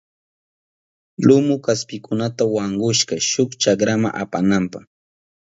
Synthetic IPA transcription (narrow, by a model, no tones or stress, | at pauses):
lʊmʊkaspɪkʊnat̪awaɴɢʊʃɢɑʃʊkt͡ʃakɾama̰ʔa̰panampaχ